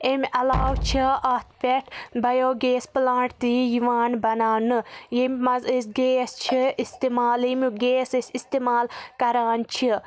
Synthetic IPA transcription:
emʲɐlaːwt͡ʃʰiʔɐt̪ʰpʲeʈʰbɐjoːɡeːsplaːɳʈt̪ijiʋaːnbɐnaːnɨjemʲmɐzisɡeːst͡ʃʰiist̪eːmaːlimʲuɡeːsisist̪emaːlkɐɾaːnt͡ʃʰi

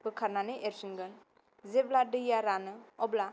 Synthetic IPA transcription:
bɯkʰaɾnanɯʔeɾsinɡɯn | zebladɯjaɾanɯɔbla

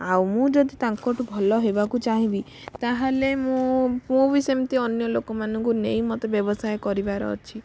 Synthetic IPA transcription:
awmũd͡ʒɔd̪it̪aŋkɔʈʰubʱɔlɔɦebakut͡ʃaɦĩbi | t̪aɦalemũmũbisemt̪iɔnjɔlokɔmanɔŋkunej̃mɔt̪ebjɔbɔsajkɔɾibaɾɔ̰t͡ʃʰi

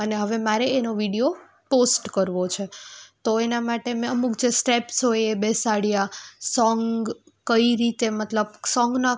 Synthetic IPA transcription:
əneɦəʋemaɾeːnoʋiɽijo | posʈkəɾʋot͡ʃʰet̪oenamaʈemɛ̃əmukd͡ʒesʈepsɦojebesaɽjasɔŋɡ | kəiɾit̪emət̪ləb̚sɔ̃ŋɡna

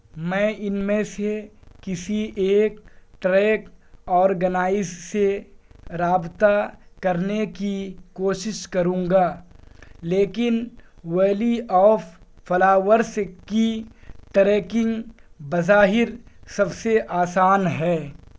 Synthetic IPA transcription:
mɛ̃ːɪnmẽsekɪsiʔeːkʈɾɛːkɔːɾɡɐnaːɪsːeɾaːbt̪akɐɾnekikoːʃɪʃkɐɾũːŋɡaː | leːkɪnweːliɔːffɐlaːwəɾskiʈɾɛːkɪ̃ŋɡbɐzaːɦɪɾsɐbseʔaːsaːnɦɛː

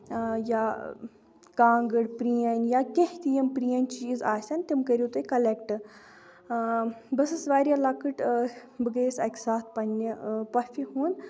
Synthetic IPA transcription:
ja̰ | kãːŋɡəɽpɾijanjakʲeht̪ijɐmpɾijɐnʲt͡ʃiːzaːsʲɐnt̪ʲimkɐɾʲit̪ukɐlekʈɨ | bɐsɨsʋaːɾʲjalaːkɨʈbɨɡəsɐ̰kʲsaːt̪̚pɐnʲːipɐfʲiɦuːn

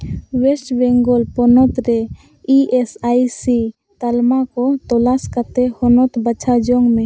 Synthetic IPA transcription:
wesʈbɛŋɡɔlpɔnɔt̪ɾɛ | iʔesajsi | t̪almakɔt̪ɔlaskat̪ɛhɔnɔt̪bat͡ʃʰad͡ʒɔŋmɛ̃

